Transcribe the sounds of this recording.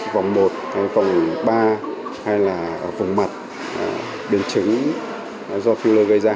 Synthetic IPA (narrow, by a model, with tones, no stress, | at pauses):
va˨˩wŋ͡mmo˨˩t̚ha˧jka˨˩wŋ͡mɓaː˧ha˧jlaː˨˩˧vʊ˨˩ŋ͡mma˨˩t̚ː | ɓe˧˩nt͡ɕɨ˨˦ŋ | zɔ˧fi˧wləː˧ɣə˧jzaː˧